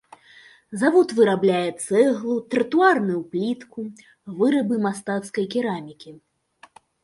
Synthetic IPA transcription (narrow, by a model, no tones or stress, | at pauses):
zavɔt̪vɨɾablʲajɛt̪sɛɣlˠut̪ɾɨt̪uarnɨwplʲit̪ku | vɨɾɨbɨmast̪at̪skɐjkʲiɾamʲikʲi